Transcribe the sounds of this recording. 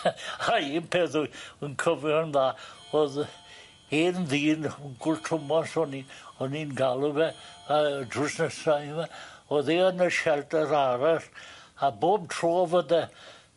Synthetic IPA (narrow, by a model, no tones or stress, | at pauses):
aiːnpʰeːðujənkʰəvjɔnðaː | oð | enðiːnɡʊltʰrʊmɔsɔniɔninɡalˠəvɛədrʊsnəsaɪvɛoðeənəʃɛldəɾaɾɛraboːb̚tʰroːvədɛ